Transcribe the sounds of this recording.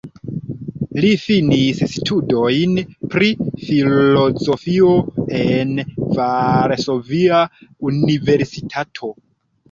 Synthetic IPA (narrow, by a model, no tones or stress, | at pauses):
lifinisstʰudo̞jnpɾifilo̞zo̞fio̞envaɾso̞viaunive̞ɾsitʰatʰo̞